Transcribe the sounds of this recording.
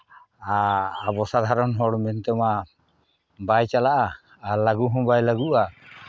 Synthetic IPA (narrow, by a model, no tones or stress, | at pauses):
aːbɔsad̪ʱaɾɔnɦɔɽmɛnt̪ɛma | bajt͡ʃalaʔaː | laɡuɦɔ̃bajlaɡuʔa